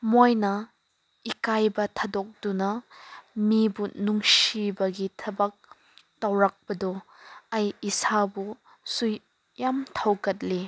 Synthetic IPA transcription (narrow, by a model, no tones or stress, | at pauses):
mojnɐ | ikajbɐtʰɐdɔk̚d̥unɐ | mibunuŋsibɐɡitʰɐbɐk̚ | tɐwɾak̚bɐdɔɐjisabu | suj | jamtʰɐwkɐt̚li